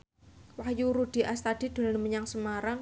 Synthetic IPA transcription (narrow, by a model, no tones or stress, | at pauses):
wahjuɾud̥i̤ʔast̪ad̥i̤d̪̥o̤lanməɲaŋsəmaɾaŋ